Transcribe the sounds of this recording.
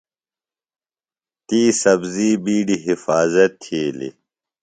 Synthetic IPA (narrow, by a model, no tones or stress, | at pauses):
t̪iːsɐbziːbiːɖiɦifaːzɐt̪ʰːeːlḭ